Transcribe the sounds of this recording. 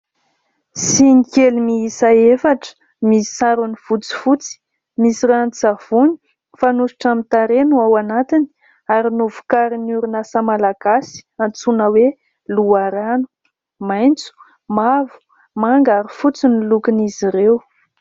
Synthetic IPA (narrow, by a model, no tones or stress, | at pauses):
sinikelimiisaefaʈ͡ʂə̥ | misaɾunivut͡si̥fut͡si̥ | misiɾant͡sav̥uni̥ | fanusi̥ʈ͡ʂamit̪aɾenuawanat̪ini̥ | aɾinuvu̥kaɾinuɾunasamalaɡ̥asi̥ant͡sunəwe | luaɾanu̥ | majnt͡su̥ | mavu̥ | maŋɡaɾufut͡sinilukiniziɾew